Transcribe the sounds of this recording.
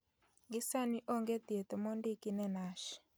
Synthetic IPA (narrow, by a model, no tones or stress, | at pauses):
ŋɡisaniʔoŋɡet̪jet̪ɔmondikinɛnaʃi̥